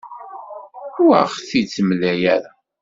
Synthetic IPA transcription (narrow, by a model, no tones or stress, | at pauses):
ua̰ʁθit͡sːəmlæjæɾa